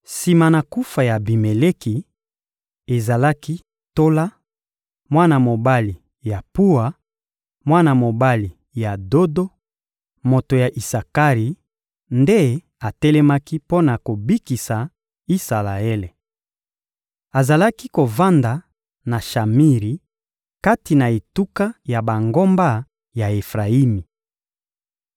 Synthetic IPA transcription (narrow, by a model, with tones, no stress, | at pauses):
si˨ma˨na˨ku˦fa˨ja˨bi˨me˨le˦ki˨ | e˨za˨la˦ki˦ | to˦la˦ | mwa˦na˨mo˨ba˦li˨ | ja˨pu˦a˨ | mwa˦na˨mo˨ba˦li˨ | ja˨do˦do˦ | mo˨to˨ja˨ʔi˨sa˨ka˦ʁi˨ | nde˦ | a˨tɛ˦lɛ˦ma˦ki˦po˦na˨ko˨bi˦ki˨sa˨ | i˦sa˨la˨e˦le˨ | a˨za˨la˦ki˦ko˨va˦nda˨ | na˨ʃa˨mi˦ʁi˨ | ka˦ti˨na˨e˨tu˦ka˦ja˨ba˨ŋɡo˦mba˦ | ja˨e˨fʁa˨i˦mi˨